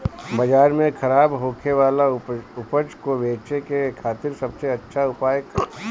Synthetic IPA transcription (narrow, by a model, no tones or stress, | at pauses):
bɐd͡ʒaːɾmẽkʰɐɾaːbɦoːkʰeʋaːlaʊpət͡ʃkoʋeːt͡ʃekekʰaːt̪ɪɾsɐbseɐtːʃʰaʊpaːjək